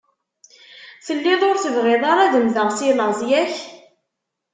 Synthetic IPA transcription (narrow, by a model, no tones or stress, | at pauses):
θəlːɪðˤoɾθəvʁɪðˤɑɾˤæðəmðəʁsiləʁzjæç